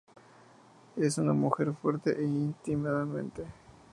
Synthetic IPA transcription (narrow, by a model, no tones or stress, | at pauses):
esunamuxe̞ɾfwe̞ɾt̪ḛʔeint̪imaðamẽnt̪e